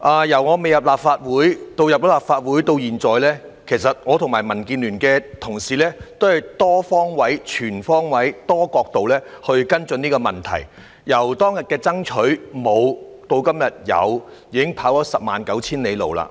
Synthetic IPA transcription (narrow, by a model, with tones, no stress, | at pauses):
ʔaː˨jɐ˨˩wŋɔː˨˧me˨jɐ˨˩p̚laː˨p̚faː˧t̚wuː˨˥jt̪o˧wjɐ˨p̚jɔ˨˥laː˨˩pfaː˧t̚wu˨˥jt̪o˧wjiː˨˩nt͡sɔː˨jlɛː˥ | kʰe˨˩jsɐ˨t̚ŋɔː˨˧t̪ʰʊ˨˩ŋmaː˨˩jmɐ˨˩nkiː˧nlyː˨˩nkɛː˧t̪ʰʊ˨˩ŋsiː˨lɛː˥t̪o˥whɐ˨jt̪ɔː˥fɔː˥ŋwɐ˨˥jt͡ʃʰyː˨˩nfɔː˥ŋwɐ˨˥jt̪ɔː˥kɔː˧k̚t̪o˨wlɛː˥hɵ˧ɥkɐ˥nt͡sɵ˧niː˥kɔː˧mɐ˨nt̪ʰɐ̰˨˩j | jɐ˨˩wt̪ɔː˥ŋjɐ˨t̚kɛː˧t͡sɐ˥ŋt͡ʃʰɵ˨˥ɥmo˨˧w | t̪o˧wkɐ˥mjɐ˨t̚jɐ̰˨˧wjiː˨˧kɪ˥ŋpʰaː˨˥wtɔː˨˥sɐ˨p̚maː˨nkɐ˨˥wt͡sʰiː˥nle˨˧jlo̰˨wla̰ː˧˥